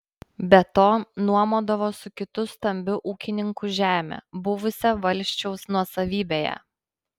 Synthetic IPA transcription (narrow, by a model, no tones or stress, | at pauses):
bʲɛt̪oːnuɔmoːd̪ɐʋoːsʊkʲɪt̪ʊst̪ɐmʲbʲʊʔuːkʲɪnʲɪŋkʊʒʲæːmʲḛːbʊʋʊsʲɛʋɐlʲsʲt͡ʃʲɛʊsnuɔsɐʋʲiːbʲeːjɛ̰